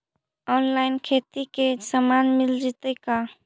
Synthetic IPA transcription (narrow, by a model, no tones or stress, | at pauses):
ɔnlaɪnkʰet̪ikesəmanmild͡ʒit̪əka